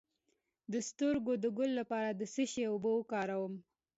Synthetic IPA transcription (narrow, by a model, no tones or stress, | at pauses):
d̪əst̪əɾɡod̪əɡʊlːapɑɾad̪əsəʃeobəkɑɾawəm